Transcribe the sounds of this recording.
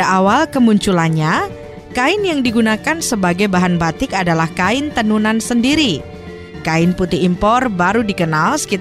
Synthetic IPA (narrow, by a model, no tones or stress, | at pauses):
aʔawalkəmuɲt͡ʃulanɲa | kaɪnjaŋdiɡunakansəbaɡajbaɦanbat̪ɪkadalahkaɪnt̪ənunansəndiɾi | kaɪnput̪iːmpɔrbaɾudikənalsə̥ki